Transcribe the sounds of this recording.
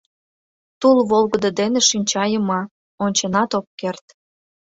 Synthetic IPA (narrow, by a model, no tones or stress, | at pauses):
t̪ulβolɣə̆d̪ə̆d̪eneʃinʲt͡ɕɑjəmɑ | onʲt͡ɕenɑt̪ok̚kert̪